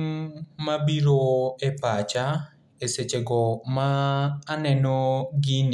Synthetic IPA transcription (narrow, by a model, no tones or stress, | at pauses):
mabiɾoepat͡ʃa | eset͡ʃeɡɔmaːnɛnɔɡin